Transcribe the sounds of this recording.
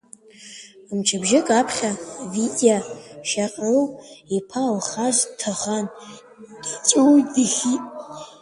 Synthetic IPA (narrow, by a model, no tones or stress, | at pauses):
mt͡ʃʰabʒɪkʼapʰχʲavidʲʼaʃaqʼwipʰalχazʷtʰaχan | d̥it͡sʼuwdɨχʲitʼ